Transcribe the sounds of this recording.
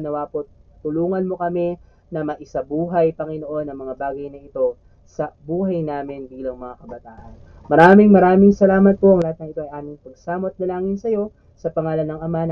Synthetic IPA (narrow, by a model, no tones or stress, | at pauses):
nɐwaːpot̪̚t̪ʊluːŋɐnmo̞kɐmɛ | nɐmɐʔɪsɐbuːɦɐjpɐŋɪno̞ʔo̞nːɐŋmɐŋabaːɡɐjnɐɪt̪o̞ | sɐbuːɦɐjnaːmɪnbiːlɐŋmɐŋakɐbɐt̪aːʔɐn | mɐɾaːmɪŋmɐɾaːmɪŋsɐlaːmɐt̪̚poɐŋlɐhat̪nɐŋɪt̪oʔɐjʔaːmɪŋpɐɡsaːmot̪̚nɐlaːŋɪnsɐjo̞ | sɐpɐŋaːlɐnːɐŋʔɐmanɐ